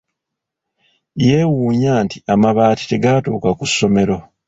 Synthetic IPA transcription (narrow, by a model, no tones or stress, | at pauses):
je̞ːwuːɲaːntiamaβaːti̥te̞ɡatoːkakusːo̞me̞ɾo̞